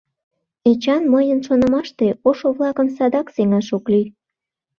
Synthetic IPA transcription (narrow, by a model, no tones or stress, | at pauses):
et͡ɕɑnməjənʃonə̆mɑʃt̪eoʃoβlɑkəmsɑd̪ɑkseŋɑʃokli